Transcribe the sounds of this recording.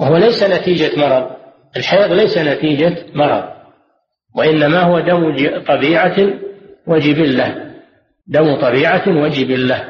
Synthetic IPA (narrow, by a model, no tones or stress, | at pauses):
whʊwalajsanat̪iːd͡ʒamɑɾˤɑðˤ | ɪlħaiːɣlajsanat̪iːd͡ʒamɑɾˤɑ̰ðˤ | waʔɪnːamahʊwad̪amd͡ʒt̪ˤɑbiːʕa | wad͡ʒɪbɪlːah | d̪amt̪ˤɑbiːʕawad͡ʒɪbɪlːah